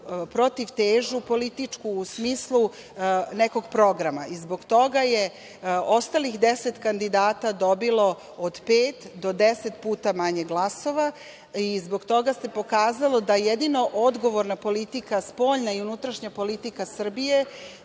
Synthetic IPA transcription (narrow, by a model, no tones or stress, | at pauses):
pɾo̞t̪iʋt̪eːʒupo̞lit̪it͡ʂkuːsmiːslˠu | neko̞ɡpɾo̞ɡɾama̰izbo̞ɡt̪o̞ɡaje | ost̪alixd̪eset̪kand̪id̪aːt̪ad̪obilo̞ | od̪peːt̪d̪o̞d̪eset̪puːt̪amaɲeɡlˠaso̞ʋa | izbo̞ɡt̪o̞ɡase̞po̞kaːzalod̪ajed̪ino̞ʔod̪ɡo̞ʋoɾnapo̞lit̪ikaspo̞ːʎnaiunut̪ɾaʃɲapo̞lit̪ikasr̩bije̞